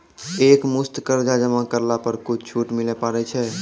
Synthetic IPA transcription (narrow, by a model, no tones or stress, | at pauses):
ekmust̪kəɾd͡ʒad͡ʒəmakəɾlapəɾkut͡ʃʰt͡ʃʰuʈmilɛpaɾɛt͡ʃʰɛ